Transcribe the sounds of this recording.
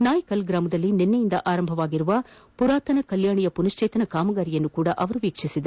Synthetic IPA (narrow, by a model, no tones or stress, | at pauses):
naːjɐkɐlɡɾaːmɯðɐlːinɛnːɐjɪnd̪ɐʔaːɾɐmbʱɐʋaːɣɪɾɯʋaːpʊɾaːt̪ɐnɐkɐljaːɳijɐpʊnɐʂt͡ʃeːt̪ɐnɐkaːmɐɣaːɾijɛnːɯkuːɽɐʔɐʋɐɾɯʋiːkʂɪsɪðɐ